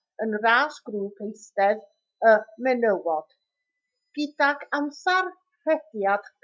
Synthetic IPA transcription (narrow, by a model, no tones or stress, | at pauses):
ənraːsɡ̥ruːpʰejstɛð | əmɛnəwɔd̥ | ɡ̥ɪdaɡʰamsar | rɛdjad̥k